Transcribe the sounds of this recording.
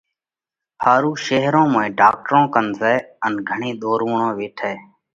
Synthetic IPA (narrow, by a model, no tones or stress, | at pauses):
pʰaːɾuːʃeːɦɾõːmãːĩːɖaːk̚ʈəɾõːkənzɛːənɡʱəɳiːɗ̪oːɾʋuːɳõːʋɪːʈʰɛː